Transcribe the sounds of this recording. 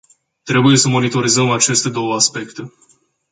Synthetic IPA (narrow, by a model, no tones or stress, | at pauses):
t̪ɾe̞buje̞səmo̞nit̪o̞ɾizəmat͡ʃe̞st̪e̞d̪o̞wəaspe̞kt̪e̞